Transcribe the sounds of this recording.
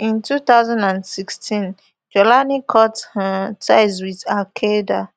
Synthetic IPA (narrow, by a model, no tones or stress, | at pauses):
ĩntʰut̪aʊzãndãndsikstĩn | d͡ʒɔlanikʰɔttaɪzwiðakʰeda